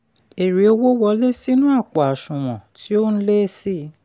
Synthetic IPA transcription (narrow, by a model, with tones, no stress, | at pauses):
e˨ɾi˨o˧wo˦wɔ˧le˦si˦nũ˦a˦˨k͡pɔ˨a˨ʃũ˨m̃ɔ̃˨ti˦o˦n̩˦le˦si˦